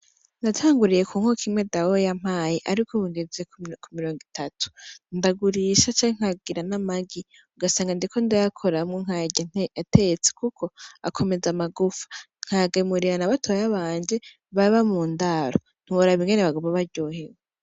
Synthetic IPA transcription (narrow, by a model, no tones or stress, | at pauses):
ndatʰaːŋɡuɾije̞kʰuːŋ̥hokʰimŋe̞dawojam̥aːjiʔaɾikʰoβuŋɡezekumiɾo̞ːŋɡitʰatu̥ndaɡuɾiʃat͡ʃaŋ̥haɡiɾanamaɡi | uɡasaːŋɡandikʰo̞ndajakʰoɾamŋeŋ̥ajɟatʰet͡se̥kukʰo̞akʰo̞me̞zamaɡufḁ | ŋ̥haɡemuɾiɾanaβatʰojaβaːɲd͡ʒe̞ | βaβamuːndaɾo | n̥huoɾaβiŋɡeneβaɡoβaβaɾɟo̞ːhewe